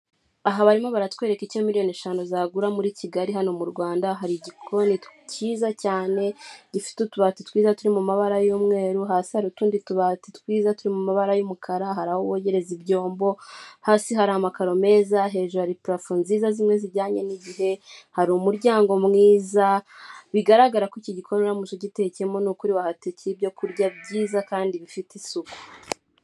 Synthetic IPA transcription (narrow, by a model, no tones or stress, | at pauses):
aɦaβaɾimo̞βaɾatwe̞ːɾe̞kicemiɾijo̞neʃaːnuzaːɡuɾamuɾiciɡaɾiɦano̞muɾɡwaːndaɦaɾiɟikʰo̞nitciːzacaːne̞ɟifi̥tutuβatitkwiːzatuɾimumaβaɾajuːmŋe̞ːɾuɦaːsihaɾutuːndituβatitwiːzatuɾimumaβaɾajumukʰaɾaɦaɾahoβoje̞ɾe̞zibɟo̞ːmbo̞haːsiɦaɾahamakaɾo̞me̞ːzaɦe̞ːʒuɾuhaɾipɾafunziːzazimŋe̞ziɟaːɲe̞niɟiɦe̞haɾumuɾɟaːŋɡo̞mŋiːzaβiɡaɾaɡaɾakiciɟikʰoɾoɾamuʃoɟitecemo̞nukuɾiβahatecbjo̞kuɾɟab̚ɟiːzakaːndiβifitisuku̥